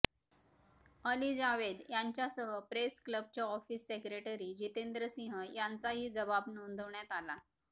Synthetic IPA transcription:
əlid͡zaʋed̪jaɲt͡ɕjasəɦəpɾeskləb̚t͡ɕjaɔfiːsːekɾeʈəɾiːd͡ʑit̪end̪ɾəsĩɦəjant͡saɦiːd͡zəbabnond̪ʱəʋɳjat̪ala

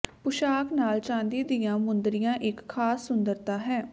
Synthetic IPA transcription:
pʊʃaːknaːlt͡ʃãːnd̪iːd̪ɪjãːmʊnd̪ɾɪjãːʔɪkʰːaːsːʊnd̪əɾt̪aːɦɛː

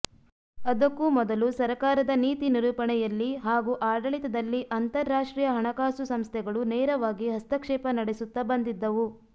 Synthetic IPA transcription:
ɐd̪ɐkːumɔd̪ɐlusɐɾkaːɾɐd̪ɐniːt̪iniɾuːpɐɳɛjɐlːiɦaːɡuʔaːɖɐɭit̪ɐd̪ɐlːiʔɐnt̪ɐɾːaːʂʈɾiːjɐɦɐɳɐkaːsusɐmst̪ʰɛɡɐɭunɛːɾɐʋaːɡiɦɐst̪ɐkʂɛːpɐnɐɽesut̪ːɐbɐnd̪id̪ːɐʋu

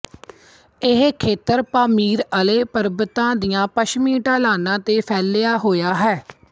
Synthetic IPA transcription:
ɪɦkʰeːt̪əɾpaːmiːɾəleːpəɾbət̪ãːd̪ijãːpəʃmiːʈaːlaːnãːt̪eːpʰɛːlːɪaːɦoːjaːɦɛː

